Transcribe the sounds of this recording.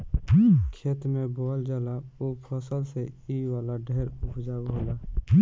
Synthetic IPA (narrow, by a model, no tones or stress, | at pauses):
kʰeːt̪mẽboːld͡ʒaːlaoːpʰəsəlseiʋaːlaɖʱeːɾʊpʰd͡ʒaːboːlaː